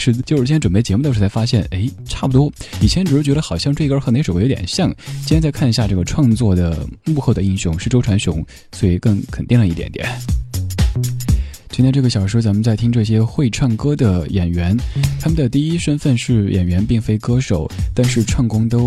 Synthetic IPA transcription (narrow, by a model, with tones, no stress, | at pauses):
ʂɻ̩˥˧˩t͡ɕjʂɻ̩ʰ˥ʈ͡ʂwə˨˩pe˥˩ɪt͡ɕjɛ˧˥mu˥˩t̪o˥ʂ̩˥˩t͡sa˥ɪfa˥ɕjɛ˥˩ne˧˥ɪʈ͡ʂʰa˥˩pu˩t̪wɔ˥i˨˩t͡ɕʰjɛ˧˥nʈ͡ʂɻ̩˨˩ʂɻ̩˥˩t͡ɕɥɛ˧˥ɾə˧xɑ˨˩ʊɕjɑ˥˧ŋʈ͡ʂɤ˥˩˧i˥ə˞˥xn˧˥ʂo˨˩˥jt̪jɛ̰˨˩nɕjɑ˥˩ŋt͡ɕʰi˥n˥t͡sa˥˧ɪkʰa˥˩ni˧ɕja˥˧ʈ͡ʂɤ˥˩ɡə˩ʈ͡ʂʰwɑ˥˧ŋt͡swɔ˥˩d̪ə˩mu˥˧xo˥˩ʊd̪ə˩i˥˩ŋɕjʊ˥˧ŋʂɻ̩˥˩ʈ͡ʂo˥ʊʈ͡ʂʰwa˧˥nɕʊ˧˥ŋ | swɔ˧˥i˨˧˩kɤ˥˩ŋkʰə˨˩nt̪i˥˩ŋlə˩i˥˩t̪jɛ̰˨˧˥nt̪jɛ̰˨˩˦n | t͡ɕ̪ʰʈ͡ʂɤ˥˩ɡə˩ɕjɑ˨˩ʊʂɻ̩˥t͡sa˧˥mə˧nt͡sa˥˩ɪt̪ʰi˥ŋʈ͡ʂɤ˥˩ɕ̬jɛ˥xwe˥˧ɪʈ͡ʂʰwɑ˥˩ŋkɤ˥d̪ə˨jɛ˨˩nɥɛ˧˥nt̪ʰa˥mə˨nd̪ə˩t̪i˥˩i˥ʂə˥nfə˥˧nʂɻ̩˥˩jʔɛ̰˨˩nɥɛ˧˥npi˥˩ŋfe˥ɪkɤ˥ʂo˨˩˦ʊt̪a˥˧nʂɻ̩˥˧ʈ͡ʂʰwɑ˥˩ŋkʊ˥ŋt̪o˥ʊ